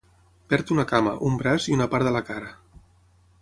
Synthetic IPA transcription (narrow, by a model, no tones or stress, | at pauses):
pɛɾt̪unəkamə̰ʔumbɾaziunəpaɾðələkaɾə